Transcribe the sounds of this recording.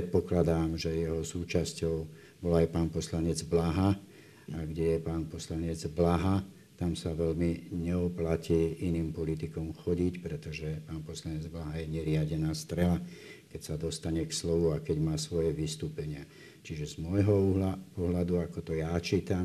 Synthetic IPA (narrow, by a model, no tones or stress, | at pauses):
ɛt̪̚pɔklad̪aːmʒɛjɛɦɔsuːt͡ʃascɔʊ | bɔlaajpaːnpɔslaɲɛd͡zblaɦa | aɡɟɛjɛpaːnpɔslaɲɛd͡zblaɦa | t̪amsaʋɛlmiɲɛɔplaciːiniːmpɔlit̪ikɔmxɔɟicpɾɛt̪ɔʒɛpaːnpɔslaɲɛd͡zblaɦajɛɲɛɾɪaɟɛnaːst̪ɾɛlakɛcsad̪ɔst̪aɲɛkslɔʋuakɛɟmaːsʋɔjɛʋist̪uːpɛɲɪa | t͡ʃiʒɛzmɔjɦɔuɦlapɔɦlad̪uakɔt̪ɔjat͡ʃiːt̪am